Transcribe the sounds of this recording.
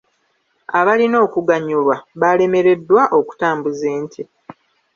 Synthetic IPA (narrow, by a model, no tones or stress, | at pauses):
aβalino̞ːkuɡaɲulwaβale̞me̞ɾe̞dːwaʔo̞ku̥taːmbuzeːntʰi